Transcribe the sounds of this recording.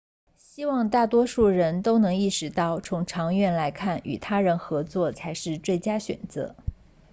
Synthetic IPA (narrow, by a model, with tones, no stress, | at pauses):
ɕi˥wɑ˥˧ŋt̪a˥˩t̪wɔ˥ʂu˥˩ɻə˧˥nt̪o˥ʊnɤ˧˥ŋi˥˩ʂɻ̩˧˥t̪ɑ˥˩ʊt͡sʰʊ˧˥ŋʈ͡ʂʰɑ˧˥ŋɥɛ˥˩nla˧˥ɪkʰa˥˩ny̰˨˩t̪ʰa˥ɻə˧˥nxɤ˧˥t͡swɔ˥˩t͡sʰa˧˥ɪʂɻ̩˥˧t͡swe˥˩ɪt͡ɕja˥ɕɥɛ̰˨˩nt͡sɤ̰˧˥